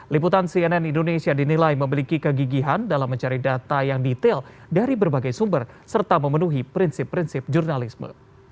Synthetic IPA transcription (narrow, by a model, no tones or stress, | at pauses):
liput̪ansiɛnɛnindonesiadinilajməmilikikəɡiɡiɦandalamːəɲt͡ʃaɾidat̪ajaŋdit̪ɛl | daɾibərbaɡajsumbər | sərt̪aməmənuɦipɾinsɪpːɾinsɪp̚d͡ʒurnalismə̰